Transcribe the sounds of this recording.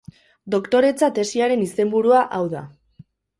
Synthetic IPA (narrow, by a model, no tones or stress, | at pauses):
d̪o̞kt̪o̞ɾe̞t͡sat̪e̞siaɾe̞nise̞mbuɾuaʔawða̰